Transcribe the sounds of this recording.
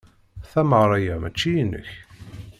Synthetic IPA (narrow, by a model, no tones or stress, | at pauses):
θæməʁɾˤæjæmæt͡ʃːijinːə̰ç